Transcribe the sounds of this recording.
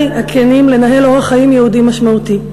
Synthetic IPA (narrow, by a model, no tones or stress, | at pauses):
jakʰenimle̞naɦe̞lo̞ʁaχaimjehudimaʃmauti